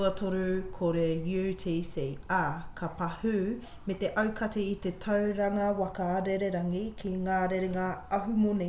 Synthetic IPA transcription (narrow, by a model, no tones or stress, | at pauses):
ɐtʰoɾukʰoɾejuːtʰisejakʰɐpɐhʉ | met̪e̞ʔɐwkʰɐtiit̪etʰɐwɾɐŋɐwɐkɐːɾeɾeɾɐŋikʰiŋaːɾeɾeŋaɐɦumoni